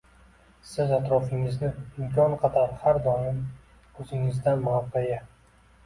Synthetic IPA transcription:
sɪzat̪ɾɒfɪŋɪznɪɪmkʲʰɒnqʰɑt̪ʰaɾhaɾd̪ɒmɪm | ɵzɪŋɪzd̪anmaqaja

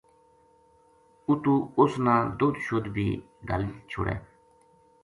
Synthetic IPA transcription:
ʊt̪uːʊsnãːd̪ʊːd̪ʃʊd̪bʱḭː | ɖə̰lit͡ʃʰʊ̰ɽɛ̰ː

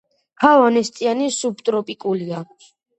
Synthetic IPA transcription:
kʰavanɛst̪ʼianisub̚t̪ʼɾɔpʼikʼulia

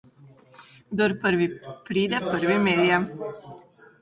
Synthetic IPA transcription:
ɡd̪ɔɾpəɾʋipɾiːd̪ɛpəɾʋimeːd̪ia

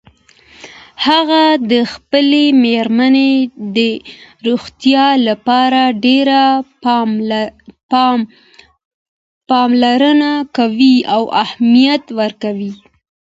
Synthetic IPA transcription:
haɣad̪əxpəlemeɾmaned̪əɾuɣt̪jɑlapɑɾaɖeɾa | pɑmlaɾənakawiawahmijat̪wəɾkawi

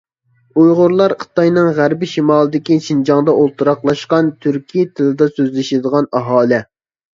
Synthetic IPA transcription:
ujʁʊɾlˠɑɾχʰə̥t̪ɑjnɨŋʁæɾbɪʃimɑːlˠɨd̪ɪkʲiʃind͡ʒɑŋd̪ɑʔolˠt̪ʰɨɾɑqlˠɑʃqɑnt̪ʰyɾkʲijt̪ʰɨlˠɨd̪ɑsøzlɪʃɪd̪əʁɑnɑɦɑːlˠɪ

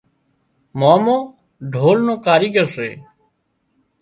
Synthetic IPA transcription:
maːmõː | ɖʱoːlnõːkaːɾiːɡəɾseː

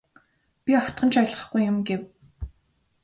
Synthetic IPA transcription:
pʲiɔt̪ɢə̆nt͡ɕʰajɮʁə̆χɡujːʊmɡew

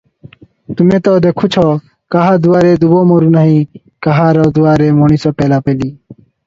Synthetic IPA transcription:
t̪ʊmẽːt̪oːd̪eːkʰʊt͡ʃʰoː | kaɦaːd̪ʊʋaːɾeːd̪uʋoːmoːɾuːnaːɦĩː | kaɦaːɾoːd̪ʊʋaːɾeːmoːɳiːsoːpeːlaːpeːliː

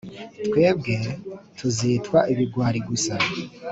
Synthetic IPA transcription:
twe̞ːb̚ɡe̞tʰuzitwaʔiβiɡwaːɾiɡusa

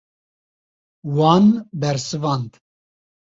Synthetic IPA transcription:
wɑːnbɛɾsɨvɑːnd̪

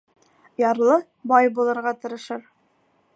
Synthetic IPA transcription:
jɑɾlˠɤ | bɑjbulˠɤ̆ɾʁɑt̪ɤ̆ɾɤ̆ʃɤɾ

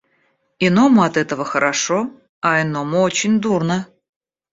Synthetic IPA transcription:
ɪnomʊɐt̪ɛt̪əvəxəɾʔaʂo | aɪnomʊot͡ɕɪnʲd̪urnə

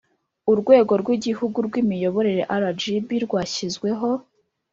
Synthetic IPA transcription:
uɾɡwe̞ːɡo̞ɾɡwiɟihuɡuɾɡwimijo̞βo̞ɾe̞ɾe̞ʔaɾad͡ʒibiɾɡwaːçizɡwe̞ɦo̞

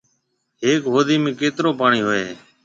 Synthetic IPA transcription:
ɦeːkɦoːd̪iːmẽːkeːt̪ɾoːpaːɳiːɦoːḛː

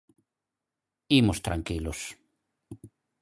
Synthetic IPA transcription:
imost̪ɾaŋkilos

